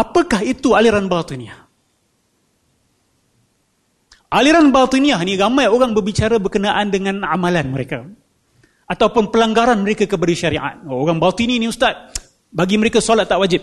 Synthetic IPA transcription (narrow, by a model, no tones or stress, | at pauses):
apəkahit̪ualiɾanbalt̪iniah | ʔaliɾanbalt̪iniahniɾamãjoɾaŋbərbit͡ʃaɾabərkənaʔandəŋãnamãlanməɾeka | at̪awpʊnpəlaŋɡaɾanməɾekakəpadaʃaɾiʔa̰t̪̚oɾaŋbalt̪ininĩust̪at̪̚ | baɡiməɾekasalat̪ːaʔwad͡ʒɪp̚